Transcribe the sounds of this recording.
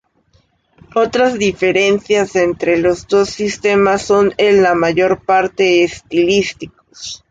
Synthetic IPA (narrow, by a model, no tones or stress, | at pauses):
o̞t̪ɾazðife̞ɾe̞nsjase̞nt̪ɾe̞lo̞zd̪o̞sːist̪e̞masːo̞nenlamaʝo̞ɾpaɾt̪e̞ːst̪ilist̪iko̥s